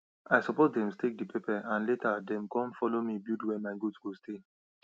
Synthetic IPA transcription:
ajsɔpozdɛ̃mstek̚dipʰepɛãnletadɛ̃mkɔ̃nfɔlomibudwɛmaɪɡudsɡostʰe

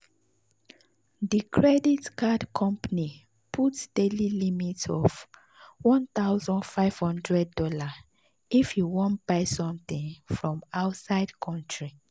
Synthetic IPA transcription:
dikʰɹɛditkadkʰɔ̃mpani | pʰutd̥elilimitɔv | wɔ̃nt̪aʊzɔ̃nfaɪv̥hɔ̃ndɹɛd̚ːɔla | ifjuwɔ̃nt̚b̥aɪsɔ̃mt̪ĩnfɹɔ̃maʊtsaɪdkʰɔ̃ntʰɹi

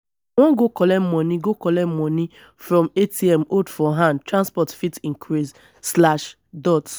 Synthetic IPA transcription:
wɔ̃ɡokɔlɛm̩mɔniɡokɔlɛm̩mɔni | fɾɔ̃metiɛmodfɔɦãndtɹãnspɔtfitĩŋkʰɾiz | slaʃ | dɔt

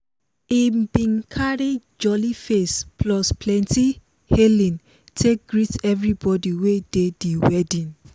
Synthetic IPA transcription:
ibĩnkʰaɹid͡ʒɔlifesplɔspʰlɛ̃nti | helĩn | tʰek̚ɡɹitɛvɹibɔdiwedediwɛdĩn

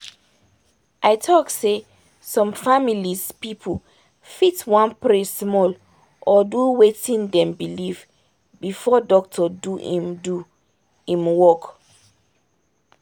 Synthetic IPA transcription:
ʔaɪtʰɔkse | sɔ̃mfamilispipʰul | fitwãnpɹessmɔl | ʔɔduwetĩndɛ̃mbiliv | bifɔdɔk̚tʰɔduḭ̃mdu | ĩmwɔk

